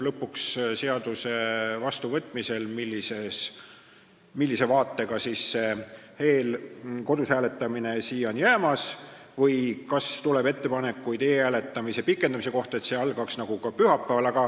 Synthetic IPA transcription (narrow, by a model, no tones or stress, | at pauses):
lɤpːˑuksse̞ɑd̪̥use̞vɑst̪uvɤt̪ːˑmise̞lmilʲːise̞s | milʲːise̞vɑːt̪ːe̞ɡɑsiːsːe̞ | he̞ːlko̞d̪ushæːle̞t̪ːˑɑmine̞siːonjæːmɑsvɤjkɑst̪ulebe̞t̪ːe̞pɑne̞kːujd̪e̞ːæːle̞t̪ːˑɑmise̞pikːˑe̞nd̪̥ɑmis̬e̞ko̞ht̪ɑe̞t̪se̞ɑlɡ̥ɑksnɑɡ̥ukɑpyɦɑpːˑæːvɑlɑɡ̥ɑ